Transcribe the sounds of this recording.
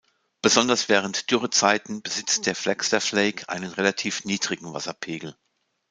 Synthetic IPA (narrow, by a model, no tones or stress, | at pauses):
b̥əzɔndɐsv̥ɛːʁ̞əntd̥ʏʁət͡saɪtn̩bəzɪt͡std̥eːɐflɛkstɐfleɪkʰʔa̰ɪnənʁelatʰiːfniːdʁɪɡŋ̩va̰sɐpʰeːɡl̩